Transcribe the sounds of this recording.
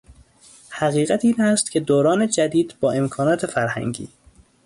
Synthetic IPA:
hæɣiːɣæt̪ʰiːnæst̪cʰe̞d̪oːɾɒːne̞d͡ʒæd̪iːd̪bɒːe̞mkʰɒːnɒːt̪ʰefæɾhæ̰ŋɟḭː

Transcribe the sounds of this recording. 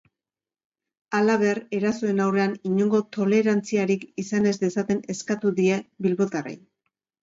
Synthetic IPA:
alaβ̞e̞re̞ɾasoe̞nawre̞aniɲo̞ŋɡo̞t̪o̞le̞ɾant͡siaɾikisane̞zd̪e̞sat̪e̞ne̞skat̪uðie̞bilβo̞t̪arḛj

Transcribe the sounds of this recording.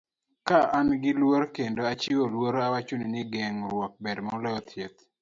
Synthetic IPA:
kaʔanɡɪlwoɾkendoat͡ʃiolwoɾawat͡ʃoninɪɡɛŋɾwɔk̚bɛdmɔlɔɔt̪jet̪

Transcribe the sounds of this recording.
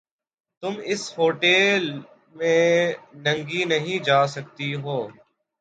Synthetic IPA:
t̪ʊmɪshoːʈeːl | mẽːnɐ̃ŋɡinɐɦĩd͡ʒaːsɐk̚t̪iɦoː

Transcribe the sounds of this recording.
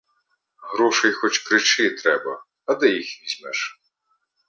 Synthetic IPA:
ɦɾɔʃɛjxɔt͡ʃkɾɪt͡ʃɪt̪ɾɛbɐ̰ | ɐd̪ɛjixʋʲizʲmɛʃ

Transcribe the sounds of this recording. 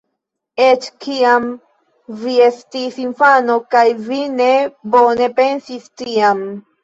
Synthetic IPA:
et͡ʃkiam | viestisinfanokajvine̞bo̞ne̞pensistiam

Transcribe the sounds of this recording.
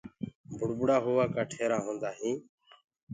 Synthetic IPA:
bʱʊɽbʊɽaːɦoːʋaːkaːʈʰeːɾãːɦõːnd̪aːɦĩː

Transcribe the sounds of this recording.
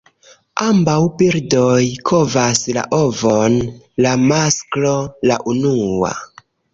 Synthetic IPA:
ambawbiɾdojkʰo̞vasla̰ʔovon | lamasklolaʔunua̰

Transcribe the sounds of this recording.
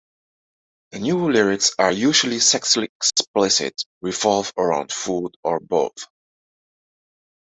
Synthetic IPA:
ðənjulɪɹɪksajuʒəl̩ˠisɛksliɛksplɪsɪ̰tɹivɔlˠvəɹã̰ʊ̃nd̥fudəɹbo̰ʊθ

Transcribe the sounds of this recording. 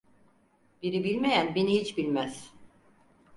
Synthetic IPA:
b̥iɾibilʲme̞jænbenihit͡ʃbilʲmæz̥

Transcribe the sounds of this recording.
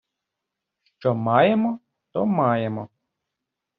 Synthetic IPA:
ʃt͡ʃɔmɑjemɔ | t̪ɔmɑjemɔ

